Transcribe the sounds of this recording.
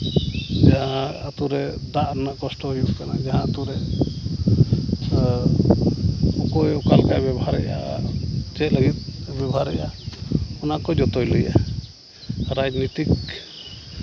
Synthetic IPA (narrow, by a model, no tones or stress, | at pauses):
d͡ʒaɦãːt̪uɾɛd̪aʔɾnaʔkɔsʈɔɦujuʔkana̰d͡ʒaɦãat̪uɾɛ | ɔkɔjɔkalkabjɛbɔɦaɾɛ̰ja̰ | t͡ʃɛʔləɡit̪̚bɛbɔɦaɾɛ̰ja̰ | ɔnakɔd͡ʒɔt̪ɔjlɔja̰ | ɾad͡ʒnit̪ik